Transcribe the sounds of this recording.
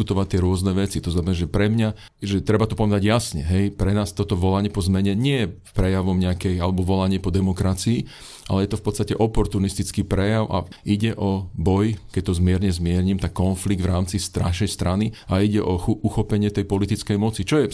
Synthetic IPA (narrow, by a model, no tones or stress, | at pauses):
ut̪ɔʋat̪ɪɛɾʊɔznɛʋɛt͡sit̪ɔznamɛnaːʒɛpɾɛmɲa | ʒɛt̪ɾɛbat̪ɔpɔʋɛd̪aɟjasɲɛ̰ɦɛjpɾɛnaːst̪ɔt̪ɔʋɔlaɲɪɛpɔzmɛɲɛɲɪɛjɛpɾɛjaʋɔmɲɛakɛjalɛbɔʋɔlaɲɪɛpɔd̪ɛmɔkɾat͡siː | ʔa̰lɛjɛt̪ɔfpɔt̪st̪acɛʔɔpɔɾt̪unist̪it͡skiːpɾɛjaʊʔa̰ʔiɟɛʔɔbɔjkɛc̚t̪ɔzmɪɛɾɲɛzmɪɛɾɲimt̪akːɔnfliɡ̚d̪ʋɾaːmt͡sist̪ɾa̰ʃɛjst̪ɾaniaiɟɛʔɔxʔuxɔpɛɲɪɛt̪ɛjpɔlit̪it͡skɛjmɔt͡sit͡ʃɔjɛ